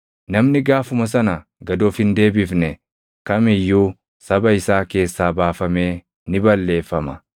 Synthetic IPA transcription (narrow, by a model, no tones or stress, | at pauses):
nɐmnɪɡaːfʊmɐs̬ɐnɐ | ɡɐd̪oːfhɪnd̪e̞ːbɪfnɛ | kɐmɪjːuː | sɐbɐɪsaːke̞ːsːaːbaːfɐme̞ː | nɪbɐlːe̞ːfːɐmɐ